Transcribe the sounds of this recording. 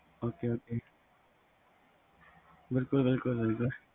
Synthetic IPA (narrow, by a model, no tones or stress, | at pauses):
oːkeːoːkeː | bɪlkʊlbɪlkʊlbɪlkʊl